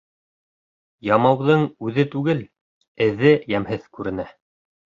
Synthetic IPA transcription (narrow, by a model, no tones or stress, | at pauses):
jɑmɑwðɤɴʉðɘt̪ʉɡɘl | ɘ̆ðɘjæmhɘθkʉɾɘ̆næ